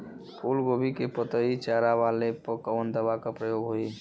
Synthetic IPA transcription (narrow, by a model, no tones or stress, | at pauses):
pʰuːlɡoːbikepət̪əit͡ʃaːɾaʋaːlepəkəʋənd̪əbakapɾəjoːɡɦoiː